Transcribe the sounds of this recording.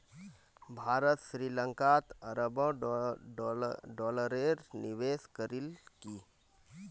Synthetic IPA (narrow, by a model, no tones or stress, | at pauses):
bʱaːɾət̪ʃɾiːlə̃ŋkat̪əɾəbə̃ | ɖɔːləɾeːɾnɪʋeːskəɾilkiː